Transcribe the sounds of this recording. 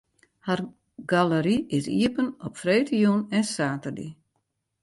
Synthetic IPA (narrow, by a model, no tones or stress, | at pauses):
har | ɡaləɾiɪsḭəpənɔpfreːtijunɛnsaːtərdḭ